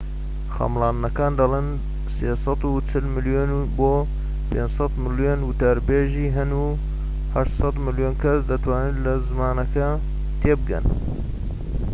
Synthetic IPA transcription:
xɑ̰mlˠɑːnnɐkaːnd̪ɐlˠeːn | seːsˤɑt̪ut͡ʃʰɪlmɨljonuboː | pʰend͡ʒsɑt̪mɨljonwʊt̪aɾbeːʒiːɦɐnu | haʃt̪sɑt̪mɨljoːnkʰɐsd̪ɐt̪ʰwaːnɨnlɐzɨmaːnɐkɐ | t̪ʰeːbɨɡɐ̰n

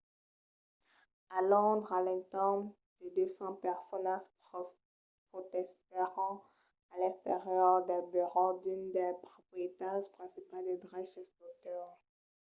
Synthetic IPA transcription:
alɔ̃d̪ʁalɛ̃t̪ɛm | d̪̥ed̪øsɑ̃pɛʁsɔnas | pot̪ɛst̪eʁɑ̃ | alɛ̃st̪eʁjœʁd̪ɛbɛʁɔ̃d̪ynd̪ɛpχɔpχiet̪aʒpχɛ̃sipald̪ed̪ʁɛʃɛsd̪ot̪œʁ

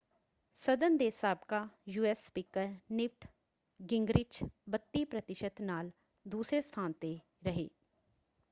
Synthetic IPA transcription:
səd̪ənd̪eːsaːbkajuːɛsːpiːkəɾnɪpʈʰ | ɡɪŋɡɾɪt͡ʃbət̪ːipɾət̪ɪʃət̪naːl | d̪uːsɾest̪ʰaːnt̪e | ɾəɦḛː

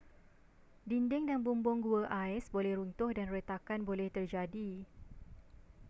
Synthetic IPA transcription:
dindɪŋdanbumbʊŋɡuəʔaɛsbolɛhɾunt̪ʊhdanrət̪akanbolɛht̪ərd͡ʒadi

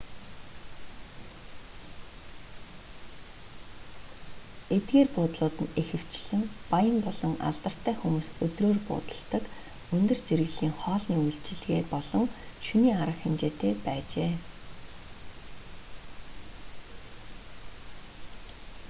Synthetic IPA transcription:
et̪̚ɡeːrpʊːt̪ɮʊːt̪ɘ̆nexɘ̆w̥t͡ɕɮɘ̆ŋpajə̆mpɔɮɞ̆ŋa̰ɮt̪ə̆r̥t̪ʰæːxumuːsɵt̪roːrpʊ̰ːt̪ə̥̆ɬt̪ə̆k | ɵnt̪ɵ̆r̥t͡seɾɣɘ̆ɮiːŋχɔːɮniːujɬt͡ɕɪ̆ɮɣeːpɔɮɞ̆ŋʃuniːaɾə̆kxemt͡ɕeːt̪ʰeːpæːt͡ɕeː

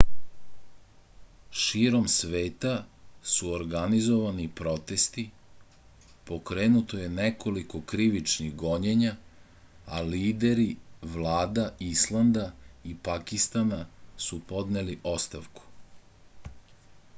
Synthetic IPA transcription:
ʃiːɾo̞msʋe̞ːt̪asuoɾɡanizo̞ʋanipɾo̞t̪e̞st̪i | po̞kɾeːnut̪o̞je̞nekʰo̞liko̞kɾiʋit͡ʃniɣɡo̞ɲeɲa | a̰liːd̪e̞ɾiʋlaːd̪aislˠand̪aipakist̪anasupo̞d̪neliʔo̞st̪aʋku̥

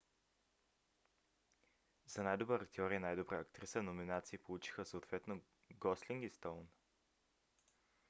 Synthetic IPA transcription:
zɐnajd̪obəɐkt̪iɔɾiənajd̪obɾaɐkt̪ɾisənominat̪siːpolˠut͡ʃi̥xəsot̪vɛt̪no | ɡɔsliŋɡist̪ɔln

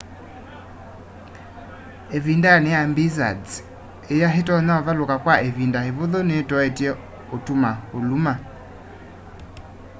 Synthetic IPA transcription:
evindanejambiza̰d͡z | ejaɦetɔnaɔvalokakwaʔevindaheβoðɔnetɔetiɛ | otumaoluma

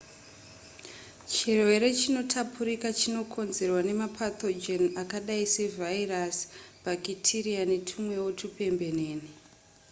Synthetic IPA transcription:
t͡ʃirwe̞ɾe̞t͡ʃino̞tʰapʰuɾikat͡ʃino̞kʰo̞nze̞rwane̞mapʰat̪o̞d͡ʒenakaɗaise̞vʱairasbʱakitʰirianetʰumwe̞wotʰupe̞mbe̞neːni

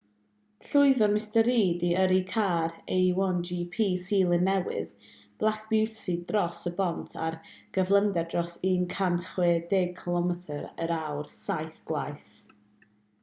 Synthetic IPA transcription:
ɬʊɨðɔmɪstəɾiːdiəɾikʰaːɾejwɔnd͡ʒipʰiːsiːlˠənːɛwɪ̰ð | b̥lˠakʰb̥ɪwsidrɔsəbɔntʰa̰rɡ̥əvlˠəndɛrdrɔsiːnkʰantʰχwɛːdeɡ̚kʰɪlˠɔmɛtʰəɾəɾawrsajθɡ̥lajθ

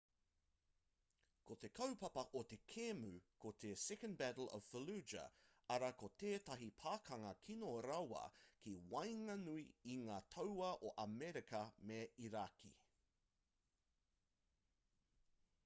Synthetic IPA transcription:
kʰot̪e̞kʰɐwpɐpɐʔot̪e̞kʰemʉkot̪ʰesɛkə̃nbætlɔ̰v̥fəlʉːd͡ʒɐ̰ | ɐɾakot̪eːt̪ɐɦipʰaːkʰɐŋɐkʰinoːɾɐwɐ̰kʰiwɐjŋɐnuiiŋaːt̪ʰɐwɐʔoʔɐmɛɾikɐmeiɾakʰḭ

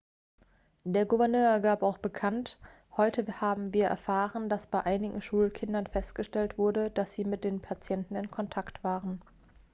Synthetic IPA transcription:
d̥eːɐɡuvɛɐnøːɐɡaːpaʊxb̥əkʰant | hɔʏtʰəhaːbm̩viːɐʔɛ̰ɐfaːʁəndasb̥aɪʔaɪnɪɡŋ̩ʃuːlkʰɪndɐnfɛstɡ̥əʃtɛltv̥ʊɐdəd̥asz̥iːmɪt̚d̥eːnpʰat͡sjɛntn̩ɪnkʰɔntʰaktv̥aːʁən

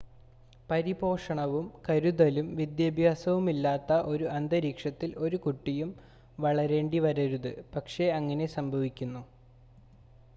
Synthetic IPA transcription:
pɐɾibo̞ːʂɐɳɐʋumkɐɾuðɐlumʋid̪jɐbʱjaːsɐʋumilːaːt̪ːɐʔo̞ɾuʔɐnd̪ɐɾiːkʂɐt̪ːilo̞ɾukuʈːijum | ʋɐɭɐɾeːɳɖiʋɐɾɐɾuðɨpɐkʂe̞ɐŋːɐne̞sɐmbʱɐʋikʲːunːu

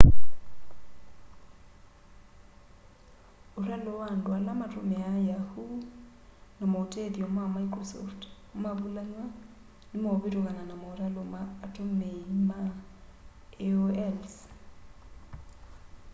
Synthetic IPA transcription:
oɾalowandoalamatomɛajahu | namoteðjɔmamaikrosɔ̰ft | maβulaɲwa | nemɔβeɾoɣananamoɾalomaːtomeima | eoɛls

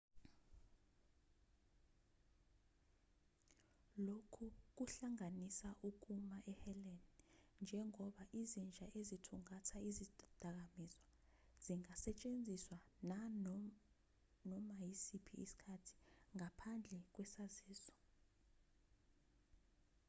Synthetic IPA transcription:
lokʰuk̬uɬaŋanisaʔuk̬umaʔɛhɛlɛnnd͡ʒʱɛŋɔɓaʔizind͡ʒʱaʔezitʰuŋatʰaizid̥ʱak̬amizwa | z̥iŋasɛt͡ʃʼend͡zʱiswana | nɔmajisipʰiːsi̥kʰatʰi̥ŋapʰand͡ɮʱɛk̬wɛsaziːzɔ̥

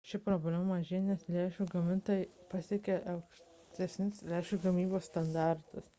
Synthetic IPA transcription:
ʃʲɪpɾoːbʲlʲæmɐmɐʒʲenʲɛslʲæːʃʲuɡɐmʲɪnt̪oːjɪpɑsʲɛkʲɛʔɛʊkʃʲ | t̪ʲɛsʲnʲɪslʲæːʃuɡɐmʲiːboːsst̪ɐnd̪ɑɾt̪ʊs

